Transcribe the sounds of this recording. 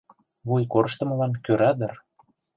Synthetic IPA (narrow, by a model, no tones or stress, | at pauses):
βujkorəʃt̪ə̆mɤlɑnkøɾɑd̪ə̆r